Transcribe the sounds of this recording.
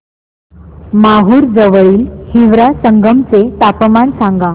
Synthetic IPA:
maɦuːɾd͡zəʋəɭiːlhiʋɾasəŋɡʱəmt͡set̪apəmansãŋɡa

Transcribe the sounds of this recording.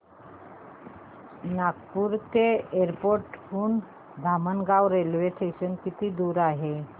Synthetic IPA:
nak̚puɾt̪eeɾpoɾʈuːn | d̪ʱamənɡawɾelʋesʈeɕənkit̪iːd̪uːɾaɦe

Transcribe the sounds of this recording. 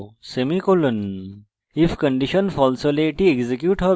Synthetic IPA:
semikolən | ifkɐ̃ɳɖiʃənfɔlsoleʈieɡzekjuːʈɦə

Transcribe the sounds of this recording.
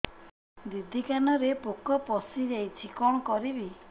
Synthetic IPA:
d̪id̪ʱikanɔɾepokɔpɔsid͡ʒajt͡ʃʰikɔɽ̃ɔkɔɾibi

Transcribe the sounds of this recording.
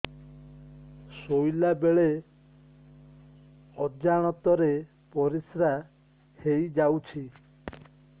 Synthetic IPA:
sojlabeɭe | ɔd͡ʒaɽ̃ɔt̪ɔɾe | pɔɾisɾa | hejd͡ʒawt͡ʃʰi

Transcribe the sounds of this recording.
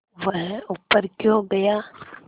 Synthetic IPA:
ʋəɦʊpːəɾkjõɡɐjaː

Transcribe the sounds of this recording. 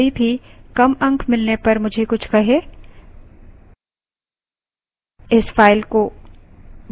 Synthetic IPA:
ibʱikɐmɐ̃ŋkʰmɪlnepɐɾmʊd͡ʒʱekʊt͡ʃʰkɐɦeː | ɪsfaːɪlko

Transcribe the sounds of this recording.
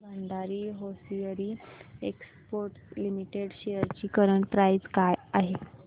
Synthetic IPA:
bʱəɳɖ̪aɾiːɦosiəɾiːekspoɾʈlimiʈeɽɕejəɾt͡ɕiːkəɾəɳpɾaid͡zkajaɦe

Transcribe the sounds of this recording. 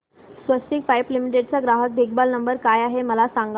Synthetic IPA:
sʋəsʈ̪ikfajplimiʈeɖ̚t͡saɡɾaɦət̪̚d̪ʱikbalnəmbəɾkajaɦeməlasaŋɡ

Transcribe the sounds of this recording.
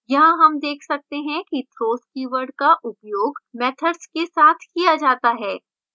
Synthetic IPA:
jɐɦãɦɐmd̪eːkʰsɐk̚t̪eɦɛ̃kit̪ʰɾoːskiːʋəɾɖkaʔʊpjoːɡmɛːt̪ʰəɾskesaːt̪ʰkijad͡ʒaːt̪aɦɛː

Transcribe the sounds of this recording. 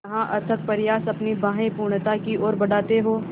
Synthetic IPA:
ɦãʔɐɾt̪ʰək̚pɐɾjaːsɐpnibãːɦẽpuːɾɳ̃t̪akiʔɔːɾbɐɽaːt̪eɦoː

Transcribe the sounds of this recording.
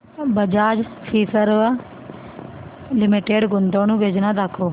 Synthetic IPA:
bəd͡ʒaːd͡ʒfʰiːsəɾa | lɪmiʈeːɖɡʊnd̪oːnũːbed͡ʒnãːd̪akʰːoː

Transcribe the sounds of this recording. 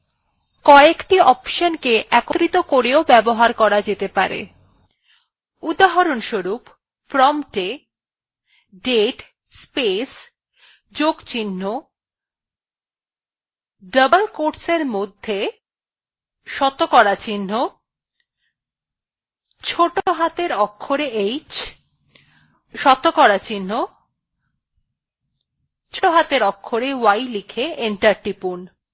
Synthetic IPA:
kɔekʈiɔpʃənkeʔɛkoɾit̪okoɾeobɛboɦaɾkɔɾad͡ʑet̪epaɾḛ | ud̪aɦaɾonʃoɾupː | ɾɔmʈe | ɖeʈ | spes | d͡ʑoɡt͡ɕinːo | ɖəbəlkoɾseɾmod̪ʱːe | ʃɔt̪okɔɽat͡ɕinːo | t͡ɕʰoʈoɦat̪eɾɔkʰːoɾeejt͡ɕ | ʃɔt̪okɔɾat͡ɕinːo | t͡ɕʰooɦat̪eɾɔkʰːoɾewajlikʰeeɳʈaɾʈipun

